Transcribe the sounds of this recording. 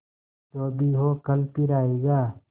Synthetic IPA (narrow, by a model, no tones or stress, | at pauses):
t̪oːbʱiɦoːkəlpiɾaːeːɡaː